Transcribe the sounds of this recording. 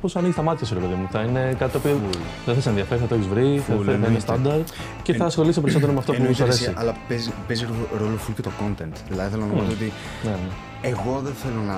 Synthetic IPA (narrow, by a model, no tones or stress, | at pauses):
posɐniʝist̪ɐmɐt̪içɐsɾepe̞ðimuθɐine̞kat̪it̪opio | ðes̬ɐs̬enðiɐfeɾiθɐt̪oeçizvɾiθɐeɾiθɐinest̪ɐnd̪ɐɾd̪ | ceθɐsxo̞lisipeɾisot̪eomeɐft̪opusɐɾessiɐlɐpezpeziɾɾolofulucet̪oko̞nt̪ent̪ðilɐðiθelonɐnomizot̪i | nene | eɣo̞ðeθelonɐ